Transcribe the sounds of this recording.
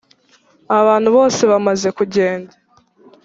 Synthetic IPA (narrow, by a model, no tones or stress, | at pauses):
aβaːn̥huβo̞ːse̞βamaze̞kuɟe̞ːnda